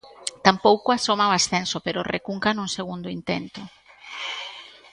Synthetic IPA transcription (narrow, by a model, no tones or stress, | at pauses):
t̪ampowkoasomaoasθensopeɾorḛkuŋkanũŋseɣ̞und̪oʊint̪ent̪ʊ